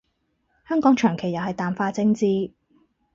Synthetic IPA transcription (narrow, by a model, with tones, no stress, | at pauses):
hœː˥ŋkɔː˨˥ŋt͡ʃʰœː˨˩ŋkʰe˨˩jɐ˨wɦɐ˨jt̪aː˨mfaː˧t͡sɪ˥ŋt͡siː˥